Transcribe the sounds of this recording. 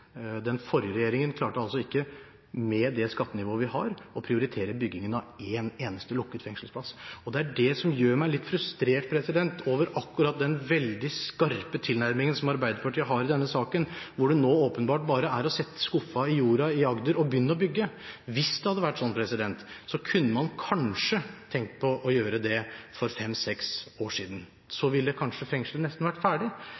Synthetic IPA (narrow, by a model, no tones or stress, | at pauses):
d̪ɛnfɔɾjəɾɛjeːɾɪŋənkʰlɑːʈəɑlsɔɪkːə | mɛd̪ɛskɑt̪ːənɪʋoːəʋɪhɑɾɔpʰɾɪʊɾɪt̪ʰeːɾəbʏɡːɪŋənɑeːneːnəst̪əlʊkːət̪fɛŋʂəlspʰlɑsɔd̪ɛæɖɛsɔmjøːɾmæɪlɪt̪ːfɾʉst̪ɾeːʈpʰɾɛsɪd̪ɛnt̪ʰoːʋəɾɑkːʉɾɑt̪̚d̪ɛnʋɛld̪ɪskɑɾpət̪ʰɪlnæɾmɪŋənsɔmɑɾbæɪd̪əɾpʰɑʈʰiːəɦɑɾɪd̪ɛnːəsɑːkənʋʊɖʉnoːoːpənbɑːʈ̚bɑːɾəæɾɔsɛt̪ːə̥skʊfːɑɪjuːɾɑɪɑɡd̪əɾɔbjʏnːəɔbʏɡːəʋɪsd̪ɛhɑd̪ːəʋæʈːsɔnːpʰɾɛsɪd̪ɛnt̪sɔkʰʉnːəmɑnkʰɑnʂət̪ʰɛŋk̚t̪pʰɔʔɔjøːɾəd̪ɛfɔɾfɛmːsɛksoːʂiːd̪ən̩ | sɔʋɪlːəkʰɑnʂəfɾɛŋʂlənɛst̪n̩hʋæʈfæːɖɪ